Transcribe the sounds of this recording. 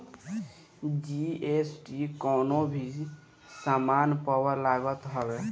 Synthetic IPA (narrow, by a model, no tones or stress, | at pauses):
d͡ʒiesʈikɔːnobʱi | samanpəwəɾlaɡət̪ɦəbe